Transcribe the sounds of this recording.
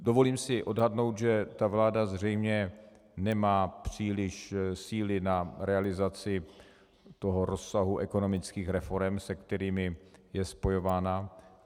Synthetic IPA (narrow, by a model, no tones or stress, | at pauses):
do̞vo̞liːmsɪʔo̞dɦadno̞wt̪ʒɛt̪avlaːdazr̝ɛjmɲɛ | nɛmaːpr̝̥iːlɪʃsiːlɪnaɾɛalɪzat͡sɪ | t̪o̞ɦoɾo̞sːaɦuʔɛko̞no̞mɪt͡skiːxɾɛfo̞ɾɛmsɛkt̪ɛɾiːmɪjɛspo̞jo̞vaːna